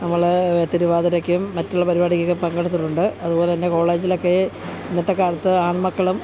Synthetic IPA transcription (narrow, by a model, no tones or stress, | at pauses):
nɐmːɐɭet̪iɾuʋaːðɐɾɐkːuumːɐtːuɭːɐpɐɾibaːɽikʲːɐkːepɐŋɡɐɽut̪ːɨʈːuɳɖɨɐðubo̞ːlet̪ɐnːe̞ko̞ːɭe̞ːd͡ʑilo̞kːe | inːɐt̪ːɐkːaːɾɐt̪ːɨaːɳmɐkːɐɭum